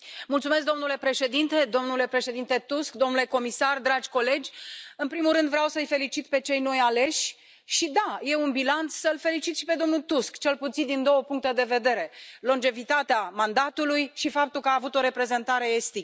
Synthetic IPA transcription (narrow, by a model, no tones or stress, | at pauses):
mult̪sumesk̚d̪o̞mnule̞pɾe̞ʃe̞d̪int̪e̞d̪o̞mnule̞pɾe̞ʃe̞d̪int̪e̞t̪uskd̪omnule̞ko̞misard̪ɾad͡ʒʲko̞le̞d͡ʒʲɨnpɾimulrɾɨnd̪vɾeawsəɨjfe̞lit͡ʃit̪pe̞t͡ʃe̞jno̞jale̞ʃʲ | ʃid̪aje̞unbilant̪ssəlfe̞lit͡ʃit̪ʃipe̞d̪o̞mnult̪uskt͡ʃelput̪sind̪ind̪o̞wəpuŋk̚t̪e̞d̪e̞ve̞d̪e̞ɾe̞lo̞nd͡ʒe̞vit̪at̪eamand̪at̪ulujʃifapt̪ulkəaːvut̪o̞ɾe̞pɾe̞ze̞nt̪aɾe̞est̪ik